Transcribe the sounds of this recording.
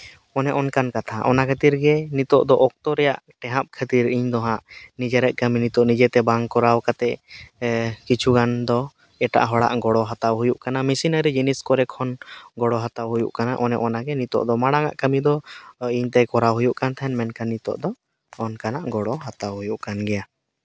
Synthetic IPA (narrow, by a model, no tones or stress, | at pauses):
ɔnɛʔɔnkankat̪ʰaʔɔnakʰət̪iɾɡɛnit̪ɔʔd̪ɔʔɔk̚t̪ɔɾɛjaʔʈɛɦap̚kʰət̪iɾiɲd̪ɔɦaʔnid͡ʒɛɾɛʔ̪̚kəminit̪ɔʔnid͡ʒɛt̪ɛbaŋkɔɾawkat̪ɛ | kit͡ʃʰuɡand̪ɔ | ɛʈa̰ʔɦɔɽa̰ʔɡɔɽɔɦat̪awɦujuʔkanamisinəɾɛd͡ʒiniskɔɾɛkʰːɔnɡɔɽɔɦat̪awɦujuʔkanaʔɔnɛ̰ʔɔnaɡɛnit̪ɔ̰ʔd̪ɔmaɽaŋa̰ʔkəmid̪ɔiɲt̪ɛkɔɾawɦujuʔkant̪ʰaɛnmɛnkanːit̪ɔ̰ʔd̪ɔː | nkanaʔɡɔɽɔɦat̪awɦujuʔkanɡɛja